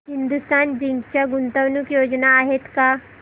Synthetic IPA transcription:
ɦind̪ust̪and͡ʑiŋɡt͡ɕjaɡunt̪əʋnukjod͡znaːɦet̪ka

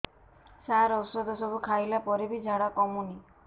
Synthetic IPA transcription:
saɾɔsɔd̪ʱɔsɔbukʰajlapɔɾebid͡ʒʱaɽakɔmuni

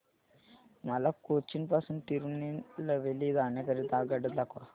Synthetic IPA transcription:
mɐlɐkːot͡ʃːinpasɐnt̪iɾunilɐʋelːid̪aːnekɐɾit̪aːɡɐɖɐd̪lakua

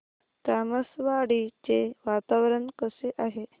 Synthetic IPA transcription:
t̪aməsʋaɽit͡seʋat̪aʋɾəɳkəseʔaɦe

